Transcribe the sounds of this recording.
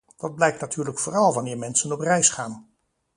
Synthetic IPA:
dɑd̚blɛjk̚tnatʰyːɹləkfʊːrɑlˠʋɑnɪːɹmɛnsənɔprɛjsχaːn

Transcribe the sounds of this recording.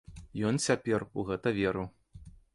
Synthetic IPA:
jɔnt͡sʲapʲɛruɣɛt̪ɐvʲɛɾɐ

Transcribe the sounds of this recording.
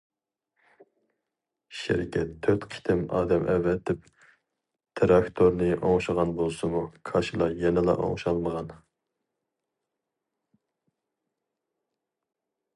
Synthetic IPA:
ʃḛɾɪkʲʰɛt̪ʰːøɾt̪qʰi̥t̪ʰɪmɑ̰ːd̪ɛmʔɛvːɛt̪ʰːɪp | t̪ʰɾɑkt̪ʰoɾnɨʔoŋʃəʁɑnbolˠsumukʰɑʃilˠɑjɛnɪlˠɑ̰ʔo̰ŋʃɑlˠməʁɑn

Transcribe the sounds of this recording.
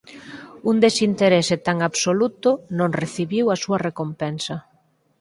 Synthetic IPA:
und̪esint̪eɾeset̪aŋaβsolut̪ʊnõŋreθiβiwɐsuɐrekompɛnsɐ

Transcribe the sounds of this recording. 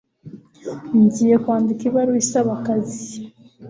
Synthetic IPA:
nzijekwaːndikiβaɾuisaβakazi̥

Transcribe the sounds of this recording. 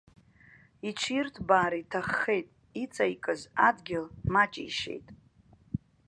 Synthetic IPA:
it͡ʃʷʰirtʰbaːɾitʰaχːe̞jtʼ | it͡sʼaikʼɨzadɡʲɪlmat͡ʃʼḭjʃe̞̰jtʼ

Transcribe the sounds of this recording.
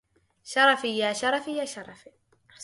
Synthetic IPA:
ʃɑɾˤɑfijaːʃɑɾˤɑfijaːʃɑɾˤɑfi

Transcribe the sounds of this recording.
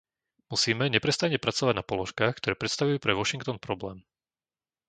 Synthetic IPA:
musiːmɛɲɛpɾɛst̪aɲɛpɾat͡sɔʋaɟnapɔlɔʃkaːxkt̪ɔɾɛːpɾɛt̪st̪aʋujuːpɾɛʋɔʃiŋk̚t̪ɔnpɾɔblɛːm

